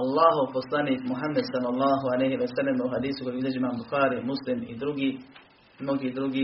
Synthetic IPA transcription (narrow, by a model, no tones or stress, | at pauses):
ɑlˠːɑːɦoʋposlaːniːkmuɦamːɛd̪sɐlːɑlˠˤːɑːɦualɛjɦiʋɐsɐlːɐmuɦad̪iːsukojiuzɐd͡ʒimaːmbuxaːɾiːmuslimḭd̪ɾuɡiː | noɡiːd̪ɾuɡiː